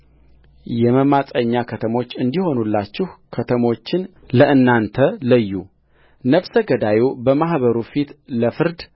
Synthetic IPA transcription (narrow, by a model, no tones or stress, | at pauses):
jɛməmasʼəɲːakʰət̪ʰəmo̞t͡ʃːɨnd̪iho̞nulːat͡ʃːɪhkʰət̪ʰəmo̞t͡ʃːɪn | ləʔɨnːant̪ʰələjːu | nəβsəɡəd̪ajubəmahβəɾufit̪ləfɨɾd̪